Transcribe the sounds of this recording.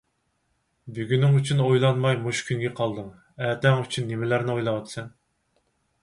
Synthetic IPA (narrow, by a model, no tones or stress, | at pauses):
byɡʲynɪŋyt͡ʃʰynojlˠɑnmɑjmoʃkʲʰyŋɡʲɛqʰɑlˠd̪ɨŋ | æːt̪ɛŋyt͡ʃʰynːɪmɪlæɾnɪojlˠɑwɑt̪ʰɨ̥sɛn